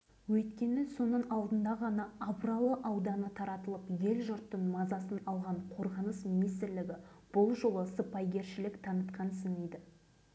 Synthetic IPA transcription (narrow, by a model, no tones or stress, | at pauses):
wɵjt̪kʲe̞nɪso̞nəɴɑlˠd̪ənd̪ɑʁɑnɑːbɾɑlˠəʔɑwd̪ɑnət̪ʰɑɾɑt̪əlˠəpje̞lʒʊɾt̪ːəɴmɑzɑsənɑlˠʁɑɴqʰo̞ɾʁɑnəsminijst̪ɪɾlɪɡʲɪb̥ʊlˠʒolˠəsəpɑjɡʲe̞ɾʃɪlɪkt̪ʰɑnət̪qɑnsɪnejd̪ɪ